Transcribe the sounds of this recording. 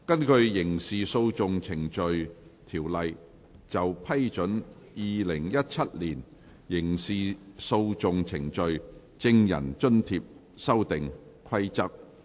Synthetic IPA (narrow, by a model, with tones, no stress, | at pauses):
kɐ˥nkʰɵ˨˧ɥjɪ˨˩ŋsiː˨so˧wt͡sʊ˨ŋt͡sʰɪ˨˩ŋt͡ʃɵ˨ɥt̪ʰiː˨˩wlɐ˨j | t͡sɐ˨wpʰɐ˥jt͡ʃɵ˨˥n | jiː˨lɪ˨˩ŋjɐ˥t̚t͡sʰɐ˥t̚liː˨˩n | jɪ˨˩ŋsiː˨so˧wt͡sʊ˨ŋt͡sʰɪ˨˩ŋt͡ʃɵ˨˧ɥ | t͡sɪ˧ŋjɐ̰˨˩nt͡ʃɵ˥nt̪ʰiː˧p̚ | sɐ˥wt̪ɪ˨ŋkʰɐ˥jt͡sɐ˥k̚